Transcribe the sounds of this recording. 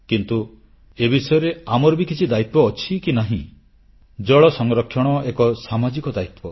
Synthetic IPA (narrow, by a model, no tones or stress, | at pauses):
kint̪u | ebisɔjɔɾeamɔɾbikit͡ʃʰid̪ajt̪̚wɔːt͡ʃʰikinaɦĩ | d͡ʒɔɭɔsɔŋɾɔkʰjɔɽ̃ɔekɔsamad͡ʒikɔd̪ajt̪pɔ